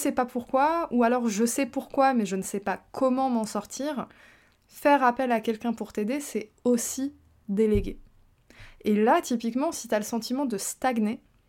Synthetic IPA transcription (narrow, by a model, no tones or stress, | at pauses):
sɛpapuʁkwaualɔʁʒəsɛpuʁkwamɛʒənəsɛpakʰɔmɑ̃mɑ̃sɔʁt̪ʰiːʁ | fɛʁapɛlakʲɛlkʲɛ̃puʁt̪ed̪esɛ | osi | d̪eleɡʲe | elat̪ipikmɑ̃si̥t̪yaləsɑ̃t̪ʰimɑ̃d̪əst̪aɡne